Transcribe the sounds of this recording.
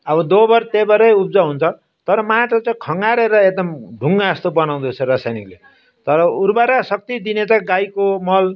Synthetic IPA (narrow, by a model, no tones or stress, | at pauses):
ʌbʌd̪obʌrt̪ebʌɾʌjup̚d͡zaɦunt͡sʰʌ | t̪ʌɾʌmaʈʌt͡saikʰʌŋɡaɾeɾʌek̚d̪ʌmɖʱuŋɡast̪obʌnaw̃d̪ut͡sʰʌrasajnikle | t̪ʌɾʌuɾbaɾasʌk̚t̪id̪inet͡sãɡajkomʌl